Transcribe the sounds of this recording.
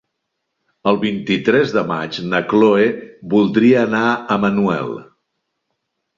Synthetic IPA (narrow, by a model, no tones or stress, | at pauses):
əlˠβint̪it̪ɾɛzðəma̰t͡ʃnəkloebulˠd̪ɾiəːnaəmənuɛ̰lˠ